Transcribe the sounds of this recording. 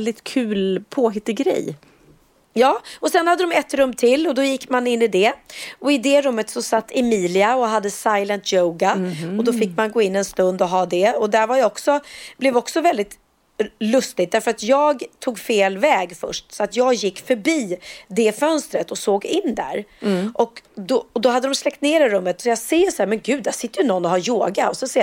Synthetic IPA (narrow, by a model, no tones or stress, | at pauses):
ld̪ɪt̪kʰʉ̟ːlpʰoːɦɪt̪ːɪɡɾɛ̰j | jɑːɔsɛnhad̪ːəd̪ɔmɛt̪ɾɵmːt̪ʰɪlːɔd̪ɔjɪkːmanɪnːɪd̪ɛɔɪd̪ɛɾɵmːət̪sɔsat̪ːɛmiːlɪaɔɦad̪ːəsajlənt̪joʊɡaɔd̪ɔfɪkːmanɡoːɪnːɛnst̪ɵnd̪ɔɦɑːd̪ɛɔd̪æɾvajɔksɔblɛvɔksɔvɛld̪ɪt̪ | lɵst̪ɪɡ̚d̪æɾfœɾat̪jɑːɡt̪ʰuːɡfeːlvɛːɡfœ̰ʂʈsɔat̪jɑːɡjɪkːfœɾbiːd̪ɛfœnst̪ɾət̪ɔsoːɡɪnːd̪æ̰ɾʔɔkd̪ɔd̪ɔɦad̪ːəd̪ɔmslɛk̚t̪neːɖɛɾɵmːət̪sɔjɑseːsaæːɾmɛnɡʉ̟ːd̪ːæʂsɪt̪ːəɾjɵnɔnːɔɦaɾjoːɡaɔsɛnseː